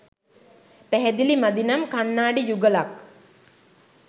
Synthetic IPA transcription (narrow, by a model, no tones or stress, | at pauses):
pæɦɛd̪ilimad̪inamkanːaːɖijuɡəlak